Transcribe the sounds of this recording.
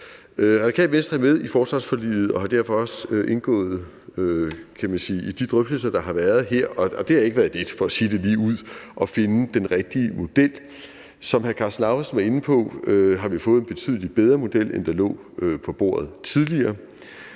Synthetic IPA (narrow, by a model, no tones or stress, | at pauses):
øʁɑ̥̈i̥kʰɛ̰ːlʋen̰sd̥ɐæɐmeð̞ˠifɒːsʁɑ̈sfɒ̽lḭːð̩ˠɒ̽ɦɑ̈d̥æɐ̰fɒ̽ɒ̽søʔe̝nɡ̥ɔ̰̽ːð̩ˠ | økʰæmænsiːʔid̥id̥ʁœfd̥l̩s̬ɐd̥ɑ̈ɦɑ̈ʋæɐð̞ˠɦeɐ̰ɒ̽ɒ̽d̥e̝hɑ̈e̝ɡ̥ʋæːɐðˠe̝d̥fɒ̽æsiːd̥e̝liːuð̞̰ˠʔɒ̽fe̝nəd̥enʁɛɡ̥̚d̥iəmo̝d̥el̰ | sɒ̽mhæɐkʰɑ̈snɑ̈ʊɐsn̩ʋɑ̈e̝n̩pʰɒ̽øɦɑ̈ʋifɔ̽ːð̞̩ˠenb̥e̝t͡sʰy̰ðˠlid̥̚b̥eð̞ˠʁɐmo̝d̥el̰ḛnd̥ɑlɔ̰̽ː | øpʰɒ̽b̥o̝̰ːɐð̞̩ˠt͡sʰið̞ˠliɐː